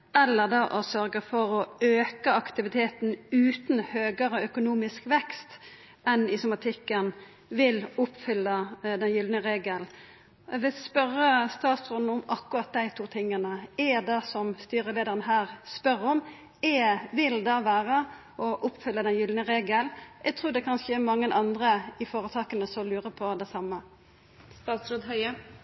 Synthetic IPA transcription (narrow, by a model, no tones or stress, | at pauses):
ɛlːəʁd̪ɑːʔɔsœʁɡəfɔɾɔøːkəɑkt̪ɪʋɪt̪ʰeːt̪n̩ʉːt̪n̩høːɡəɾəœkʊnuːmɪskʋɛkst̪ | ɛnɪsʊmɑt̪ʰɪkːən | ʋɪlʊpːfʏlːəd̪ɛnjʏld̪nəʁeːɡəl | ʋɪspœɾːəst̪ɑːt̪sɔn̩ʊmɑkːʊʁɑt̪̚d̪æɪt̪ʰuːt̪ʰɪŋːənəɛd̪ɛsɔmst̪yːɾəleːd̪əʁənəɦæːʁspœɾɔm | ɛʋɪld̪ɑʋæːʁə | ʔɔʔʊpːfʏlːəd̪ɛnjʏlnəʁeːɡəlʔɛɡ̚t̪ʰʁuːd̪ɛkʰɑnʃeːmɑŋːənʔɑnd̪ɾəɪfoːɾət̪ʰɑːkənəsɔlʉːʁəpʰɔd̪æsɑmːə | st̪ɑːt̪sɾoːd̪ɦœʏə